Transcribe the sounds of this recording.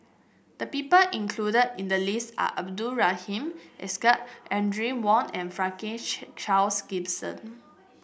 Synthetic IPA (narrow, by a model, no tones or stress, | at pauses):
d̥əpipəʔĩŋkʰludədĩndəlisa̰ʔab̚duɹahĩmʔɛskəʔʔɛ̃ndɹĩwɔ̃nɛ̃nfɹãŋkẽt͡ʃalsɡ̥ibsə̰̃n